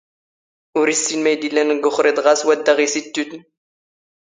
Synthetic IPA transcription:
ʊɾisːinmæjd̪ilːænəɡːʊχɾid̪ˤʁaswæd̪ːæʁisit̪ːut̪n

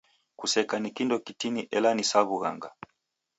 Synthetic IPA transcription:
kusɛkanikindɔkitiniʔɛlanisaβuɣa̰ŋɡa

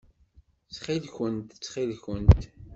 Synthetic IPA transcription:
t͡sːχilçənt̪t͡sːχilçənt̪

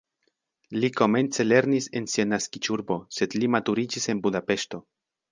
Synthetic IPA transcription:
liko̞me̞nt͡se̞le̞ɾnise̞nsianaskit͡ʃuɾbo̞se̞d̪limatuɾid͡ʒise̞nbudape̞ʃto̞

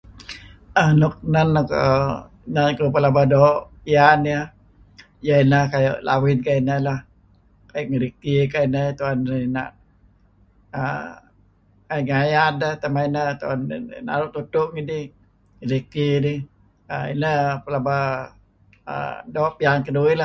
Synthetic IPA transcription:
anuk̚nanako̰ | nankupəlabadoːʔpianiə | jainahkajo̰ʔlʔa̰winkainəlah | kajuʔŋiɾik̚t̪ikainət̪uanina̰ʔ | a | kaŋajadət̪amainət̪uan̰na̰ɾuʔt̪ut̪ʊʔŋidi | ŋəɾik̚t̪idi | a̰ḭnəpəlaba | ə̰doːʔpiaŋkəduila

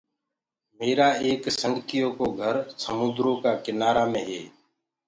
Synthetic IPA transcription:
meːɾaːeːksəŋɡət̪ɪjõːkoːɡʱəɾsəmʊd̪ɾõːkaːkɪnaːɾaːmẽːɦeː

